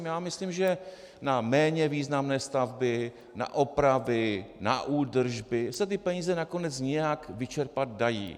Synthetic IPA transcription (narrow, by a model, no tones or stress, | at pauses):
mjaːmɪslimʒɛ | namɛːɲɛviːznamnɛːst̪avbɪ | na̰ʔopɾavɪna̰ʔuːdr̩ʒbɪsɛt̪̬ɪpɛɲiːzɛnako̞nɛt͡sɲɛjakvɪt͡ʃɛɾpat̪̚dajḭː